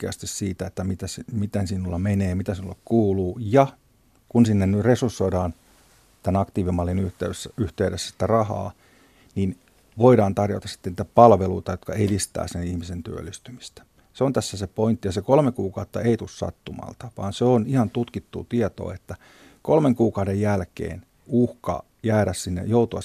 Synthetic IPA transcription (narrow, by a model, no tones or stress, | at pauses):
kːeɑ̰st̪issiːt̪æet̪ːæmit̪æsimit̪ensinulːɑmeneːmit̪æsinulːekkuːluːjɑ | kunsinːennyresursːoiɾɑːn | t̪ænɑkt̪iːʋimːɑlːinyht̪eysːæyht̪eyɾesːæ̥si̥t̪ːærɑhɑ̰ː | nin | ʋoiɾɑːnt̪ɑrjo̰t̪ɑsi̥t̪ːeniːt̪æpɑlʋeluit̪ɑjot̪kɑedist̪æ̰ːsenihmisent̪y̰ø̰lːˑist̪ymist̪æ̥ | seont̪æsːæsepoint̪ːijɑsekolmekuːkɑut̪ːɑeit̪ussɑ̰t̪ːumɑ̰lt̪ɑ̥ʋɑ̰ːnseonihɑnt̪ut̪kit̪ːṵːt̪iet̪o̰ːet̪ːæ | kolmeŋkuːkɑudejjælkḛːn | uhkɑ̰ | jæːɾæssinːḛjout̪uɑ